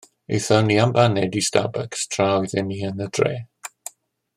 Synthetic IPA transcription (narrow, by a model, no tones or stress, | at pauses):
ejθɔniambanɛdista̰bəkstʰrawðɪniənəd̥reː